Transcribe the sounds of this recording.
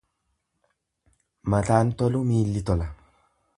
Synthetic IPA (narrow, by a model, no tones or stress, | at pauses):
mɐt̪aːnt̪ɔlʊmiːlːɪt̪ɔlɐ